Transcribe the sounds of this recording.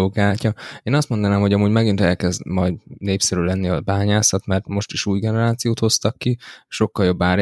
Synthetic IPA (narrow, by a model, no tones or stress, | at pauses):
oːkaːcɒeːnɒst̪mo̞nd̪ɒnaːmho̞ɟɒmuːɟmɛɡint̪ɛlkɛzd̪mɒjd̪neːpsɛɾylɛnːiɒbaːɲaːsɒt̪mɛrt̪mo̞ʃt̪iʃuːjɡɛnɛɾaːt̪sijoːt̪ho̞st̪ɒkːiʃo̞kːɒljo̞bːaːɾ